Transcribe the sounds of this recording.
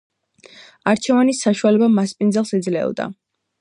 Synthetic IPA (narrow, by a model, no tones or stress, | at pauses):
aɾt͡ʃʰɛvanisaʃualɛbamaspʼind̪zɛlˠsɛd̪zlɛ̰ɔ̰d̪a̰